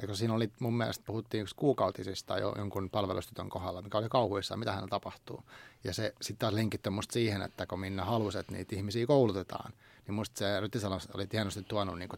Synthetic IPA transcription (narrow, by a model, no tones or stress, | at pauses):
jɑkosiːnolimummiæ̰lest̪̚puhut̪ːiːnykskuːkɑut̪isist̪ɑ̰jo̰jo̰ŋkunpɑlʋelṵst̪yt̪ø̰ŋkohɑlːɑmikæolikɑuhuisːɑ̰mit̪æhæ̰net̪ɑpɑht̪ṵːjɑsesit̪t̪ɑːsleŋkit̪ːømust̪siːhenḛt̪ːækominːæhɑluset̪nḭːt̪ihmisiːkoulut̪et̪ɑ̰ːn | nimmust̪seryt̪ːisɑlɑmso̰lit̪ihɑnːost̪it̪t̪uɑnːṵnniːŋko